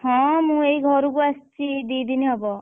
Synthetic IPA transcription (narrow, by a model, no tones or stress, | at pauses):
hɔ̃mũeiɡʱɔɾukuɐst͡ʃid̪iːd̪iniʌbɔ